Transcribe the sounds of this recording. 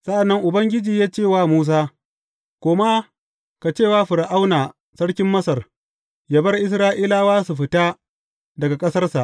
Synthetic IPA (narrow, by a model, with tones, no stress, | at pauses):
sɐ˦ʔa˨nːɐ˦ŋʔʊ˨bɐ˦ŋɡʲɪ˦d͡ʒiː˨jaː˦t͡ʃeː˦˨waː˦muː˦s̬aː˦ | kʷoː˨ma˦ | ka˨t͡ʃeː˦˨waː˦ɸɪ˨ɾʔa˦wnaː˨ | sɐ˦ɽkʲɪ˦mːɐ˦sɐ˨r | ja˨bɐ˦rʔɪ˦sɾaː˦ʔiː˦laː˨waː˦su˨ɸɪ˨˦taː˦ | dɐ˨ɡa˨kʼɐ˦sɐ˦rsa˨ʔ